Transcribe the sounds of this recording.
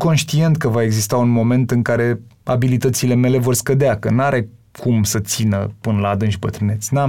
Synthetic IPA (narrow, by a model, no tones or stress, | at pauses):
ko̞nʃt̪ie̞nt̪̚kəvae̞ɡzist̪aunmo̞me̞nt̪ɨŋkaɾe̞abilit̪ət̪sile̞me̞le̞vo̞rskəd̪eakənaɾe̞kʰumsət̪sinəpɨnəlad̪ɨnʃʲbət̪ɾɨne̞t̪sʲnam